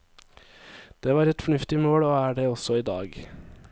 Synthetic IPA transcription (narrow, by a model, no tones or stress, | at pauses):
d̪̥eːʋɑːɾɛt̪fɔɳʉft̪ɪmoːɽoːæːɖeːɔsɔiːd̪ɑ̰ːɡ